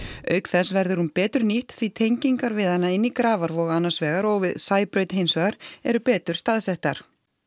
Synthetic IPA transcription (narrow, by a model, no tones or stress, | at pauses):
œɥkθɛsvɛɾðɪɾhunpɛːt̪ʏɾniht̪θvit̪ʰejɲciŋkaɾvɪðhanːaɪnːikɾaːvaɾvɔɣanːasvɛːɣaɾɔwɣvɪðsaːjpɾœɥt̪hejnsvɛɣaɾɛɾʏpɛːt̪ʏ̥st̪aðsɛht̪aɾ̥